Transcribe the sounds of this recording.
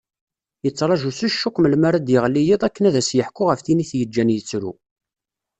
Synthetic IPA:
jət͡sːɾˤɑʒusuʃːukʷːməlmaɾæd̪jəʁlːijiðˤækːənæðæsjəħkːʊʁəfθiniθjəd͡ʒːænjət͡sːɾṵ

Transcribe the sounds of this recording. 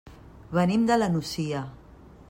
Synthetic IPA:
βənimd̪alanusija

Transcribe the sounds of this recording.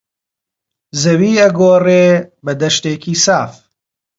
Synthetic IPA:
zɐwiːɐɡoːreːbɐd̪ɐʃt̪eːkiːsaːf

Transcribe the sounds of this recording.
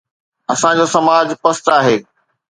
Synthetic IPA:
ɐsãd͡ʑoːsɐmaːd͡ʑpɐst̪aːɦeː

